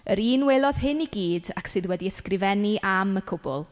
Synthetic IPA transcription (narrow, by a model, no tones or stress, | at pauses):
əɾiːnweːlˠɔð̥ɦɪniɡiːdaksɨðwɛdiəskrɪvɛniʔaməkʰʊbʊ̰lˠ